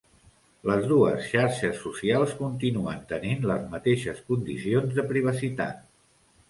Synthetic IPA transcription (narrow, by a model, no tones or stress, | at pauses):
ləzðuəsʃaɾʃəsːusialˠskunt̪inuənt̪əninləzmət̪eʃəskund̪isionzðəpɾiβ̞əsit̪a̰t̪̚